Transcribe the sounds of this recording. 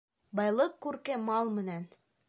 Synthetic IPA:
bɑjlˠɤqːʉɾkɘmɑlˠmɘ̆næn

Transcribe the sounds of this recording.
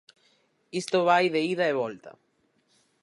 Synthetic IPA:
ist̪oβajðeiðaeβolt̪a̰

